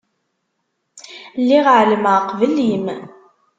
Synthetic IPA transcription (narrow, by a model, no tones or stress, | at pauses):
lːiʁʕləmqvəlim